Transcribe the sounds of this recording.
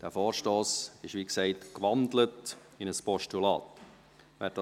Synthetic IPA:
d̥æːfoːɾʃtoːsɪʃʋiːksɛɪtkʋɑndlət | ɪnəspɔʃtulɑːt | vɛːɾdɑ

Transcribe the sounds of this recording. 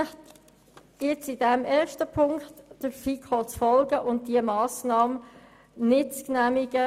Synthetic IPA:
t | ɪt͡sɪdɛmɛːɾʃtəpʰʊŋktd̥əɾfikʰɔt͡sfɔlɡəʔʊnt̚d̥iəmɑːsnɑːm | nɪtt͡sknæmiɡə

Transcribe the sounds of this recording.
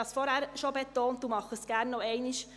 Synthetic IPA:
ɑsfɔɾhæɾʃobet̪oːnt̚d̥̪uːmɑχəsɡ̥æɾnːɔɛɪniʃ

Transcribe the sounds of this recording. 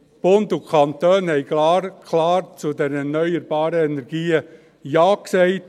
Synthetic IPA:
b̥ondukʰɑnt̪øːnhɛɪklaɾkʰlaːɾt͡sudɛɾɛrnœʏəɾbɑːɾəɛnɛɾɡ̥iːə | jaːkseɪt

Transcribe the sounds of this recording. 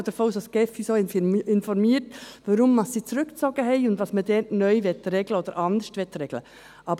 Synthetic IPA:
d̥̪əɾfoːsoskɛfisoːɪnfɔɾmiːəɾtʋɑɾʊmːɑssiːt͡sɾʉkt͡sɔɡəɦɛɪʊnd̪ʋɑsmədɛɾtnœʏʋɛt̪ɾɛɡləod̪əɾʔɑnd̪əʃtʋɛt̪ɾɛɡ̥lə̰ | ʔɑːb

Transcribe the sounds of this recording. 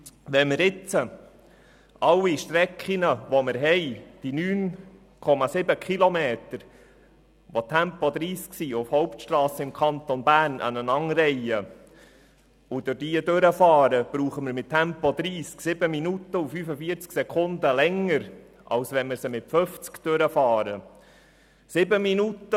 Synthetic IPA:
ʋɛnmɪɾɪt͡sə | ɑlːiʃtɾɛkχinəʋɔmɪɾɦɛɪd̥inyːn | kʰɔmɑsɪbəkχilɔmeːt̪əɾ | ʋotʰæmpɔd̪ɾiːsksiːʊfhɔʊptʃtrɑːsəɪmkʰɑnt̪ɔnbæːrnʔə̰nənɑŋɾɛjə | ʊd̥ʊɾdiədøɾəfɑːɾəb̥ɾuːχəməɾmɪttʰːæmpɔd̪ɾiːsksɪbəminut̪ːəufyːfəfiːəɾt͡sksɛkʰʊnd̪əlɛŋəɾ | ʔɑ̰wsʋɛnməɾsəmɪtføft͡skd̥øɾəfɑːɾə | sɪbəminut̪ːə

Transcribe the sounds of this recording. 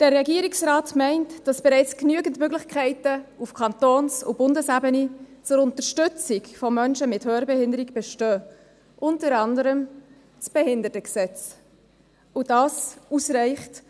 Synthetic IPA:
d̥ərːɛɡiəɾiksɾɑːtmɛɪntd̥ɑsb̥ɛɾɛɪt͡sknyːəɡən̩tmøɡlɪχkʰɛɪtəufkʰɑntoːnsṵb̥ʊndəsæbənit͡sʊɾʊntəɾʃtʏt͡sɪkfɔmœnʃəmɪthøːɾbɛhɪndəɾikb̥ɛʃtœː | ʔʊntəɾɑndəɾəm | t͡sb̥ɛhɪndəɾtəksɛt͡s | udɑːsusɾɛɪχt

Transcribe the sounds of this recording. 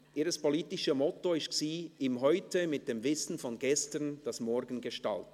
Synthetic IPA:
ʔiːʁəspoliːtɪʃəmɔtoɪstsiːɪmɦɔʏtəmɪt̚d̥eːmvɪsn̩fɔnɡɛstəʁnd̥ɑsmɔɾɡən̩ɡəʃta̰lt

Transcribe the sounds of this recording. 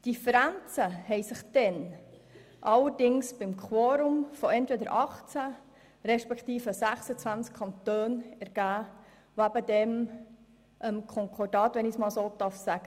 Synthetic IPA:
d̥ifəɾænt͡səhɛɪsɪχd̥ɛn | ʔɑlːəɾdɪŋsb̥ɪmkʰwɔːɾʊmfɔɛntʋed̪əɾʔɑχt͡sæ | ɾɛʃpɛkt̪iːfəsæχsət͡sʋænt͡skʰɑnt̪øːnɛɾɡ̥æː | ʋoæbəd̪ɛm | ʔəmkʰɔŋkʰɔrdɑːt̪ʋɛnɪsmɑːlsoːt̪ɑfsæɡ̥ə

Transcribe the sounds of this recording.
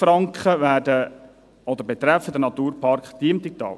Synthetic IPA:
fɾɑŋkχəvæːdə | ɔd̪əɾbɛt̪ɾɛfːəd̪ənɑt̪uːɾpʰɑrkχd̥̪iəmt̪ik̚t̪ɑ̰ːl

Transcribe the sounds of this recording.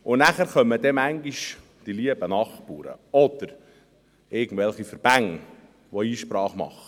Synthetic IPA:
ʊnnæχæɾχœmːədɛmæŋɡiʃ | d̥iliəbənɑχpṵːɾə̰ɔd̪̥əɾ | ɪɡən̩dvɛlχifəɾb̥æŋ | ʋoiːʃpɾɑːχmɑ̰χə

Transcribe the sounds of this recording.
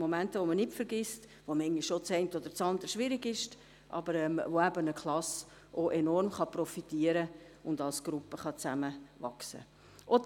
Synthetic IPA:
momæntəʋomənɪtfəɾɡist | ʋomɛŋiʃʃot͡sɛɪntəod̪əɾt͡sɑnd̪əɾəʃʋɪɾiɡɪʃt | ʔɑ̰bəɾɛmvoæbənəkʰlˠɑs | ʔoʔenɔrmχɑprɔfitiːəɾə | ʊndɑlsɡ̥ɾupːəχɑt͡sæməʋɑksə̰ | ʔo

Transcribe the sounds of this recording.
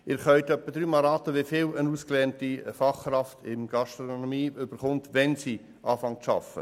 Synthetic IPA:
ɪːɾχœʏt̪œpːəd̪ɾyːmɑlɾɑːt̪əʋɪfɪlənuːsklɛːntifɑχːrɑftʰɪmɡ̥ɑʃtɾoɔnɔmiːʏb̥əɾχʊntʋɛnsiː | ʔɑːfɑŋtʃɑ̰fə̰

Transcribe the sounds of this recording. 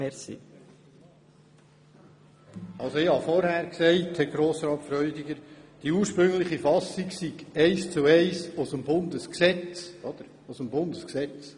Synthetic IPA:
ɛsḭ | ɑlˠsoɪhɑfɔɾhæːɾksɛɪthɛɡɾoːsɾɑːt̪fɾœʏdiɡəɾd̥iuːɾʃpɾɵŋlɪχifɑsiksiɡ̥ɛɪst͡suɛɪsʊsəmbʊnd̪əsksɛt͡sʔɔd̥̪əɾ | ʊsəmbʊnd̪əsksɛt͡s

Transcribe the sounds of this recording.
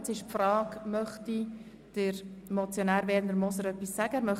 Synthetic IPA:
t͡sɪʃpfrɑːɡmœχti | d̥əɾmot͡sjonæːɾʋɛːɾnd̪əɾmɔsəɾœpːisːæɡ̥əæɾmœχ

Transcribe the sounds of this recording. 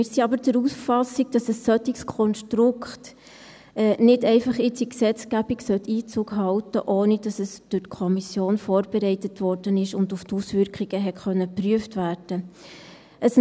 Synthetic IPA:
mɪːɾsiɑbəɾd̥əɾusfɑsiɡ̚d̥ɑsəsːœt̪ikskʰɔnʃtɾʊkχt | ɛːnɪdɛɪfɑχɪt͡siksɛt͡sɡ̥æb̥iksœtʰːiːt͡suːkɦɑltəʔoːnɪd̥ɑsəsd̥ʊrtkʰɔmisjoːnfoːrb̥ɛɾɛɪtətvɔɾd̥ənɪʃʊndʊftusvʏɾkχiɡ̥əɦɛtχœnːəpryəftvæːɾd̥ə | ʔəs

